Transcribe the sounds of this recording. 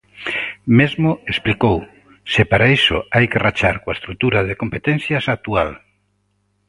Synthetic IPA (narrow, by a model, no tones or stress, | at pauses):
mezmʊesplikow | sɪpaɾaeso̰ajkerat͡ʃaɾkoaest̪ɾut̪uɾaðekompet̪ɛn̟θjasak̚t̪ual